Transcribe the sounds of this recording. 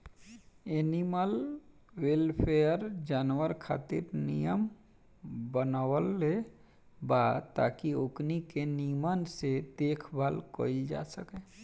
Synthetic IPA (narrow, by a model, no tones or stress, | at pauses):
eniməl | welpʰejəɾd͡ʒaːnwəɾkʰa̰ːt̪iɾnijəm | bənawəlːe | bat̪a̰kioknikenimənsed̪eːkʰbʱalko̰ild͡ʒa̰səke